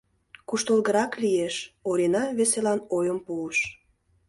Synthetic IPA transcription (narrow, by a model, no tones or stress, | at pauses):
kuʃt̪olɣəɾɑklijeʃoɾʲenɑβeselɑnojəmpuəʃ